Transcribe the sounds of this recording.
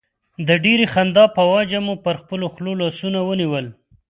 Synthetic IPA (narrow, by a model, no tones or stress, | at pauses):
d̪əɖeɾexand̪ɑpəwad͡ʒamupəɾxpəloxlolɑsunawəniwəl